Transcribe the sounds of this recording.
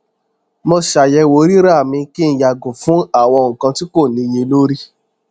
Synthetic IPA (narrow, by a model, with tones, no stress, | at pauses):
mɔ̃˧ʃa˨jɛ˧wo˨˦ɾi˦ɾa˦˨mĩ˧ki˦ñ̩˧ja˨ɡõ˨fũ˦a˦˨w̃ɔ̃˧ŋ̩˨kã˧ti˦ko˦˨nĩ˧˦je˧lo˦ɾi˦